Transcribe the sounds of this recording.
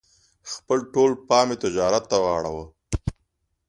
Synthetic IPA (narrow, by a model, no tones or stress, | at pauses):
xpəlʈolpɑːmet̪ɪd͡ʒɑːɾat̪ːawɑːɽa̰wə